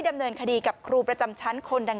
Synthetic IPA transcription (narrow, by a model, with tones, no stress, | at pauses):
jda˧mnɤː˧nkʰa˧diː˧ka˨˩p̚kʰɾuː˧˩pɾa˧t͡ɕa˧mt͡ɕʰa˦˥nkʰo˧ndaː˧